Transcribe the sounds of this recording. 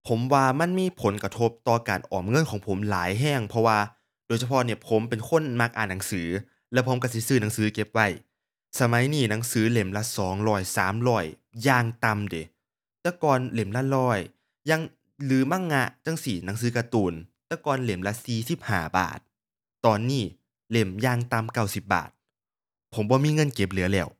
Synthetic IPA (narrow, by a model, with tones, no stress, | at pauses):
pʰo˩˦mwaː˧ma˧˥˨nmiː˧˥˨pʰo˨˦nka˧t̪ʰo˦˧˥p̚t̪ɔː˧˩ka̰ː˨˩nʔɔ̰ː˨˩mŋɤ˧˥˨nkʰɔː˨˩˦ŋpʰo˩˦mlaː˨˦jɦɛː˧˥˩ŋpʰɔ˧waː˧ | d̥oː˨jsʰa˧pʰɔ˧ni˧˩ɐpʰo˨˦mpe˨nkʰo˧˥˨nma˧˥k̚ʔa̰ː˨˩nːa˨˦ŋsɯː˩˦ | lɛ˧˥wpʰo˨˦mka˧˩si˧˦sɯː˧˩na˨˦ŋsɯː˨˦ke˧˥p̚wa˧˩j | sa˧ma˨˦jniː˧˩na˨˦ŋsɯː˨˦le˨˩mla˧˥sɔː˩˦ŋlɔː˧˩jsaː˩˦mlɔː˧˩j | jaː˧ŋt̪a˧mde˨˦ | t̪ɛː˧˩kɔː˧˨nle˨˩˦mla˧˥lɔː˧˥˩j | ja˧ŋ | lɯː˨˦ma˧˥˨ŋ̚ŋːa˧˥ʔt͡ɕa˧˥˩ŋsi˧˩na˨˦ŋs̬ɯː˨˦ka˧t̪uː˧˩nt̪ɛː˧˩kɔː˨nle˨˩˦mla˧˥siː˨˩si˨˦˩p̚ha̰ː˧˩ba̰ː˨˩t̪̚ː | ɔː˨nːiː˧˩ | le˧˩mjaː˧ŋt̪a˧mka˧˩wsi˧˩˦p̚ba̰ː˨˩t̪̚ | pʰo˨˦mbɔː˧miː˧˥˨ŋɤ˧˥˨nke˧˩p̚lɯ˨˩˦ɐlɛː˧˩˨w